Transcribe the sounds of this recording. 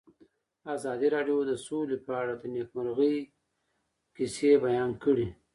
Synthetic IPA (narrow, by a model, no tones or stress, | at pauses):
azɑd̪iɾɑɖjod̪əsolepəaɽad̪ənekmaɾɣəj | kisebajɑnkəɽi